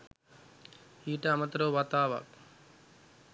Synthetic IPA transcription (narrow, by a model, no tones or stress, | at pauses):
iːʈəamət̪əɾoʋat̪aːʋa̰k̚